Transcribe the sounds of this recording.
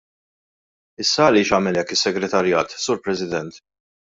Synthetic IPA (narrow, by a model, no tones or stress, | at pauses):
ɪsːɐːlɪːʃɐːmɛlɛkːɪsːɛɡɾɛt̪ɐɾjɐːt̪suːɾpɾɛsɪd̪ɛnt̪